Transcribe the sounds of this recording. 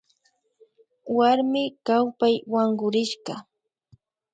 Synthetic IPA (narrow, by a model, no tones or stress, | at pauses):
waɾmɪkawpajwaɴɢʊɾɪʃɢɑ